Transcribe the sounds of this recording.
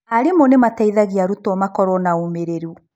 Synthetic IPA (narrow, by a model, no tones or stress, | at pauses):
haɾemɔnemataiðaɣiaɾutɔmakɔɾɔnaumeɾeɾu